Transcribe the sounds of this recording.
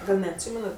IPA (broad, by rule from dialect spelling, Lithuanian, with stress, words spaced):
ˈɡɐlʲ nʲɛɐtʲˈsʲiːmʲɛnɐt